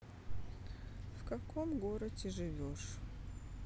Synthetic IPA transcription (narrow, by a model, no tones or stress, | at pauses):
fkɐkomɡoɾətʲɪʐɨvʲoʂ